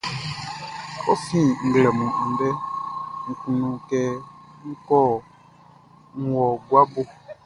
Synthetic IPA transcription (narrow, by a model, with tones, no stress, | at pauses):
o˦fĩ˦ŋ̩˨ɡlɛ˨mũ˨ʔã˨n˦dɛ˦ŋ̩˨kũ˨nũ˨kɛ˦ŋ̩˦kɔ˦˨ | ŋ̩˨wɔ˨ɡwa˦bo˦